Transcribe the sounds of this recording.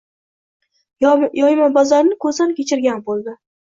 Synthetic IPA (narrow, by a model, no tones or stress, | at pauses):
jɒjmabɒzaɾnɪkʰɵzd̪ankʲet͡ʃʰɪɾɡʲanbolˠd̪ɪ